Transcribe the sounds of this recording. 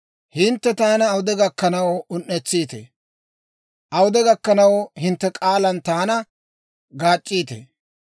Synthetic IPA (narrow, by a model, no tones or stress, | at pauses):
hɪnt̪ːɛt̪aːnɐːwʊd̪ɛɡɐkːɐnɐwʊnːɛt͡sːiːt̪ḛ | ʔɐwʊd̪ɛɡɐkːɐnɐwhɪnt̪ːɛkʼaːlɐnt̪aːnɐ | ɡaːt͡ʃʼːiːt̪ḛ